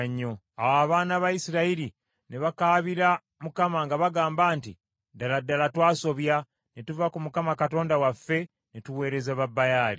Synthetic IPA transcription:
ɲːo̞ | awaβaːnaβajisiɾaiɾi | neβakaːβiɾa | mukamaŋɡaβaɡaːmbaːnti | daladːalatwaːso̞βja | netuvakumukamakato̞ːndawafːe̞ | netuwe̞ːɾe̞zeβabːajaːli

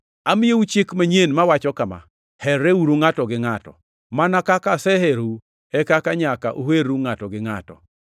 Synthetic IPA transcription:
amɪjeut͡ʃɪkmaɲenmawat͡ʃɔkama̰ | hɛɾeuɾuŋatɔɡɪŋatɔ̰ | manakakasɛheɾu | ɛkakaɲakaʔoheɾuŋatɔɡɪŋa̰tɔ̰

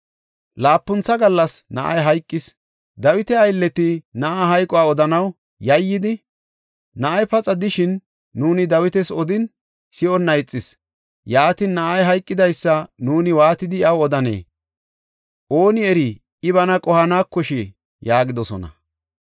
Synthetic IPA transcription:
laːpːʊnt͡sːɐɡɐlːɐsnɐ̰ʔɐ̰jɦɐjkʼːɪs | d̪ɐwɪt̪ɛɐjlːɛt̪ɪnɐʔaɦɐjkʼɔwaːɔd̪ɐnɐw | jɐjːɪd̪ɪ | nɐʔɐjpɐt͡sʼɐd̪ɪʃɪnː | uːnɪd̪ɐwɪt̪ɛsɔd̪ɪn | sɪɔnːɐjt͡sʼːɪs | jaːt̪ɪnːɐʔɐjɦɐjkʼːɪd̪ɐjsːɐnuːnɪwaːt̪ɪd̪ɪɪɐwɔd̪ɐnḛː | ʔo̞ːnɪɛɾɪ | ɪβɐnɐkʼɔhɐnaːkːɔʃɛ | jaːɡɪd̪ɔsɔ̰nɐ̰

